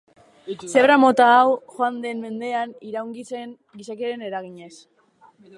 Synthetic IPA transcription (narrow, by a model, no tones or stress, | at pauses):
seβɾamo̞t̪aːwxoand̪e̞mːe̞nd̪e̞aniɾawŋɡit͡se̞ŋ | ɡisakieaɾe̞ne̞ɾaɣiɲe̞s